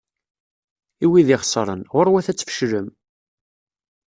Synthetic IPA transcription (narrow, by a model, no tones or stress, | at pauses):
iwiðiχsˤɾˤə̰nʁʊɾwæθæt͡sːfə̥ʃɾəm